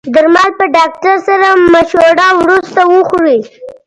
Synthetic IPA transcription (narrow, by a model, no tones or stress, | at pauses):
d̪əɾmɑlpəɖɑk̚ʈaɾsaɾamaʃoɖɑwɾust̪awəxɾi